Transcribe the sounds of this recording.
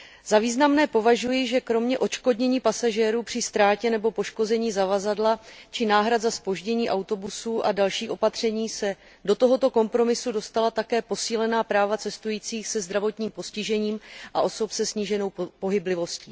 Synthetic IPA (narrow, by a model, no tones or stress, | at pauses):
z̥aviːznamnɛːpo̞vaʒujɪʒɛkɾo̞mɲɛʔo̞t͡ʃko̞dɲɛɲiːpasaʒɛːɾuːpr̥ɪst̪ɾaːcɛnɛbo̞po̞ʃko̞zɛɲiːzavazadlat͡ʃɪnaːɦɾat̪zaspo̞ʒɟɛɲiːʔawt̪o̞busuʔadalʃiːʔo̞pat̪r̝̥ɛɲiːsɛ | do̞t̪o̞ɦo̞t̪o̞ko̞mpɾo̞mɪsudo̞st̪alat̪akɛːpo̞siːlɛnaːpɾaːvat͡sɛst̪ujiːt͡siːxsɛzd̪ɾavo̞t̪ɲiːmpo̞scɪʒɛɲiːmʔaʔo̞so̞psɛsɲiːʒɛno̞wpo̞ɦɪblɪvo̞sciː